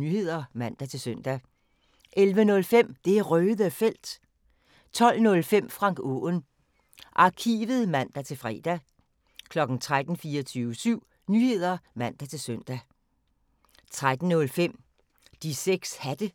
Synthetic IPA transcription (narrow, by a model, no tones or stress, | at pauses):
nyhe̝ð̞̰ˠɐmæn̰d̥æt͡sʰe̝lsœn̰d̥æ | ʔelʋənɔ̽lfem̰d̥e̝æʁœːðˠəfel̰d̥ | t͡sʰɒ̽l̰nɔ̽lfem̰fʁɑ̈ŋ̰ɡ̥ɔ̰ːn | ʔɑ̈kʰḭːʋð̩ˠmæn̰d̥æt͡sʰe̝lfʁɛ̰ːd̥æ | kʰlɒ̽ɡ̥n̩t͡sʰʁad̥n̩fiːɐɒt͡sʰyːʊəsyʊ̰ | nyhe̝ð̞̰ˠɐmæn̰d̥æt͡sʰe̝sœn̰d̥æ | t͡sʰʁad̥n̩nɔ̽lfem̰ | d̥iseɡ̥shæd̥ə